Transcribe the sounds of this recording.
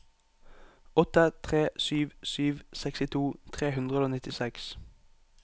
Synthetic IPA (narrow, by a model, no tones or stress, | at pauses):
ɔt̪ət̪ʰʁeːsyːʋsyːʋsɛkst̪ɪt̪ʰuːt̪ʰʁeːhʉnd̪ʁəoːnɪt̪ɪsɛks